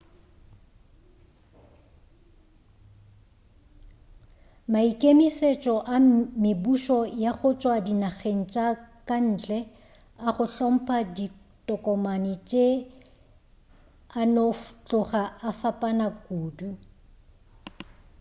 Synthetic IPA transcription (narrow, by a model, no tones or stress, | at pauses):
maikʼemiset͡ʃʼɔʔamɪbuʃɔjaχʊt͡ʃʼwadinaɣen̩t͡ʃʼakʼan̩ːt͡ɬʼɛ | aχʊɬɔm̩pʼadi | tʼɔkʼɔmanɪt͡ʃʼe | anot͡ɬʼʊχaːfapʼanakʼuːdu